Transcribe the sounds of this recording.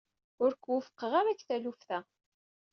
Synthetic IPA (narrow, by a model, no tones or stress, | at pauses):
ʊɾkwəfə̥qːəʁamæçθælufθæ